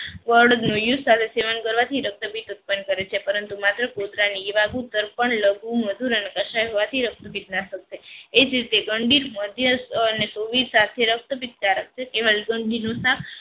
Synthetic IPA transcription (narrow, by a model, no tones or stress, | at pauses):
ʋəɾɽnojusat̪ʰeseʋankəɾʋat̪ʰiɾək̚t̪əpit̪ut̪̚pənkəɾet͡ʃʰepəɾənt̪umat̪ɾəkod̪ɾaniːʋaɡut̪əɾpəɳləɡuməd̪ʱuɾənekəʃajɦoʋat̪ʰiɾək̚t̪əpit̪̚nasək̚t̪eed͡ʒɾit̪eɡəɳɖiɾməd̪ʱjənesoʋiɾsat̪ʰeɾək̚t̪əpit̪̚ːaɾək̚t͡ʃʰekeʋalɡəɳɖinosak